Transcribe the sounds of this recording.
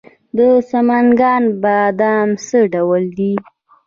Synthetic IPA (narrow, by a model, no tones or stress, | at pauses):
d̪əsamaŋɡɑnbad̪amsəɖawəld̪i